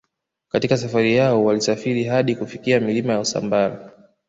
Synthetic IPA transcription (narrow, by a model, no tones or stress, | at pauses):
katikasafaɾijaɔwalisafiɾiɦaɗikufikiamilimajausa̰mbaɾa